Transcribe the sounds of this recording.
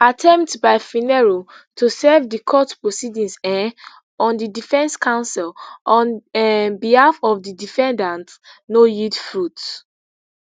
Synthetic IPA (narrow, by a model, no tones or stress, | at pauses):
atʰɛ̃mp̚tbaɪfinɛɹo | tʰusɛvdikʰɔtpɹosidĩnsɛ | ɔ̃ndidifɛ̃nskʰãʊ̃nsɛlɔ̃nnbihafɔvdidifɛ̃ndãntnojidfɹut